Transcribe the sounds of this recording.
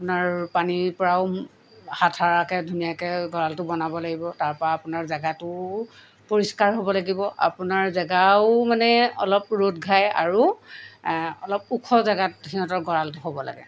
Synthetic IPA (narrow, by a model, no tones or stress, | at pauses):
apʊnaɹpanipɔɹaʊ | hatʰaɹakɛdʱunijakɛɡɔɹaltʊbɔnabɔlaɡibɔtaɹpɔɹaːpʊnaɹzaɡatʊ | poɹiskaɹɦobɔlaɡibɔʔa̰pʊnaɹzaɡaʊmanɛɔlɔp̚ɹotɡʱaja̰ɹu | ɔ̰lɔp̚ukʰɔzaɡatxiɦɔtɔɹɡɔɹaltʊɦobɔla̰ɡɛ̰